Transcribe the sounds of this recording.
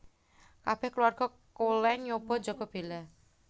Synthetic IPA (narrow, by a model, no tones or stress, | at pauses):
kab̥ɛhkəluarɡ̥ɔ̤ | kolɛŋɲob̥ɔ̤d͡ʒɔɡ̥ɔb̥ela